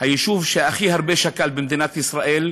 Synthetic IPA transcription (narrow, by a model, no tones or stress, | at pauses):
hajaʃuvʃeʔaχihaʁbeʃakalbemd̪inat̪isʁaʔel